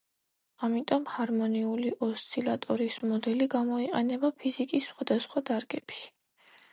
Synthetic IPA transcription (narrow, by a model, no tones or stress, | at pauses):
amit̪ʼɔmhaɾmɔniuliʔɔst̪sʰʼilat̪ʼɔɾismɔd̪ɛliɡamɔiqʼɛnɛbapʰizikʼisχwad̪asχwad̪aɾɡɛpʃi̥